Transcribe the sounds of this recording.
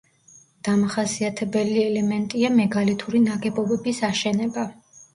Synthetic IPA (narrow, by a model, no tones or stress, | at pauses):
d̪̥amaχasiat̪ʰɛbɛliɛlɛmɛnt̪ʼiamɛɡalit̪ʰuɾinaɡɛbɔbɛbisaʃɛnɛba